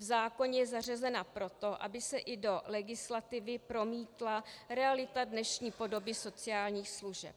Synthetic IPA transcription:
vzaːko̞ɲɛjɛzarɛzɛnapɾo̞t̪o̞ʔa̰bɪsɛʔɪdo̞lɛɡɪslat̪ɪvɪpɾo̞miːt̪laɾɛalɪt̪adnɛʃɲiːpo̞do̞bɪso̞t͡sɪjaːlɲiːxsluʒɛ̰p̚

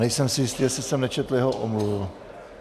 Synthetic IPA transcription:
nɛjsɛmsɪjɪst̪iːjɛsɪsɛmnɛt͡ʃɛt̪l̩jɛɦoʔo̰mluvɪl

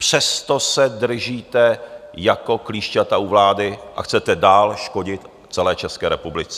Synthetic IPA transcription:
pr̝̥ɛst̪osɛdr̩ʒiːt̪ɛjako̞kliːʃcat̪auvlaːdɪʔa̰xt͡sɛt̪ɛdaːlʃko̞ɟɪt̪ | t͡sɛlɛːt͡ʃɛskɛːɾɛpublɪt͡sɛ̥

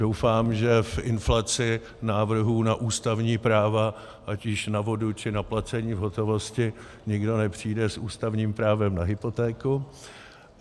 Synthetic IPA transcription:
dowfaːmʒɛfʔɪnflat͡sɪ | naːvr̩ɦuːnaʔuːst̪avɲiːpɾaːva | ʔacɪʃnavo̞dut͡ʃɪnaplat͡sɛɲiːvɦo̞t̪o̞vo̞scɪ | ɲɪɡdo̞nɛpr̝̥iːdɛsʔuːst̪avɲiːmpɾaːvɛmnaɦɪpo̞t̪ɛːkʊ

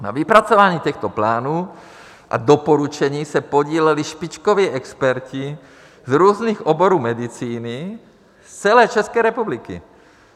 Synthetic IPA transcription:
na̰vipɾat͡sovaːɲiːcɛxt̪oplaːnuː | ʔa̰dopoɾut͡ʃɛɲiːsɛpoɟiːlɛliʃpɪt͡ʃkoviːʔɛkspɛɾci | zɾuːzniːxʔoboɾuːmɛdit͡siːni | st͡sɛlɛːt͡ʃɛskɛːɾɛpublikɪ̰

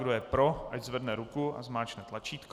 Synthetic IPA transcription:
ɡdojɛpɾoʔaczvɛdnɛɾukua̰zmaːt͡ʃnɛt̪lat͡ʃiːt̪k

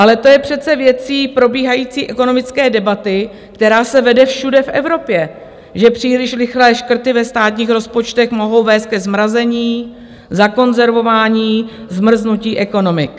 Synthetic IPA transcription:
ʔalɛt̪o̞jɛpr̝̥ɛt̪t͡sɛvjɛt͡siːpɾo̞biːɦajiːt͡siːʔɛko̞no̞mɪt͡skɛːdɛbat̪ɪ | kt̪ɛɾaːsɛvɛdɛfʃudɛfʔɛ̰vɾo̞pjɛ | ʒɛpr̥iːlɪʃɾɪxlɛːʃkr̩t̪ɪvɛst̪aːt̪ɲiːxɾo̞spo̞t͡ʃt̪ɛxmo̞ɦo̞wvɛːst̪̚kɛzmɾazɛɲiː | zako̞nzɛɾvo̞vaːɲiːzmr̩znuciːʔɛko̞no̞mɪk

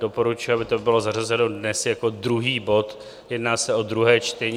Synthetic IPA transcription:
do̞po̞ɾut͡ʃʊjʊabɪt̪obɪlo̞zarazɛno̞dnɛsjako̞d̪ɾuɦiːbo̞t̪ | jɛdnaːsɛʔo̞d̪ɾuɦɛːt͡ʃt̪ɛɲ

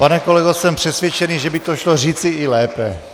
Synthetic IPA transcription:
panɛko̞lɛɡosɛmpr̝̥ɛsvjɛt͡ʃɛniʒɛbɪt̪oʃloriːt͡sɪɪlɛːpɛ

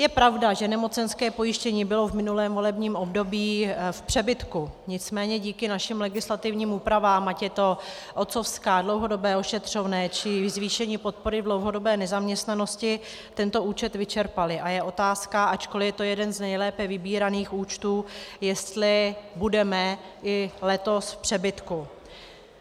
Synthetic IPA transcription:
jɛpɾavdaʒɛnɛmo̞t͡sɛnskɛːpo̞jɪʃcɛɲiːbɪlovmɪnulɛːmvo̞lɛbɲiːmo̞bdo̞biːfpr̥ɛbɪt̪kuɲɪt͡smɛːɲɛɟiːkɪnaʃɪmlɛɡɪslat̪ɪvɲiːmuːpɾavaːmacjɛt̪o̞ | ʔo̞t̪t͡so̞fskaːdlo̞wɦo̞do̞bɛːo̞ʃɛt̪r̝̥o̞vnɛːt͡ʃɪzviːʃɛɲiːpo̞t̪̚po̞ɾɪdlo̞wɦo̞do̞bɛːnɛzamɲɛst̪nano̞scɪ | t̪ɛnt̪o̞uːt͡ʃɛt̪vɪt͡ʃɛɾpalɪʔajɛʔo̞t̪aːskaʔat͡ʃko̞lɪjɛt̪o̞jɛdɛnznɛjlɛːpɛvɪbiːɾaniːxuːt͡ʃt̪uːjɛst̪lɪbudɛmɛ | ʔɪlɛt̪o̞sfpr̝̥ɛbɪt̪ku

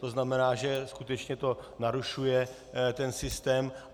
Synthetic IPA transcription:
t̪oznamɛnaːʒɛskut̪ɛt͡ʃɲɛt̪o̞naɾuʃujɛ | t̪ɛnsɪst̪ɛːm

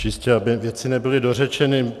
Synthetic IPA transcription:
t͡ʃɪscɛabɪvjɛt͡sɪnɛbɪlɪdor̝ɛt͡ʃɛnɪ

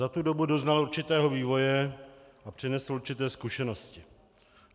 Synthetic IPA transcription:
at̪udo̞budo̞znaluɾt͡ʃɪt̪ɛːɦoviːvo̞jɛʔapr̝̥ɪnɛsl̩uɾt͡ʃɪt̪ɛːskuʃɛno̞scɪ

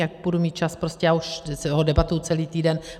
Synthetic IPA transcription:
jak̚budumiːt̪̚t͡ʃaspɾo̞scɛjaːuʃsoɦodɛbat̪owt͡sɛliːt̪iːdɛn

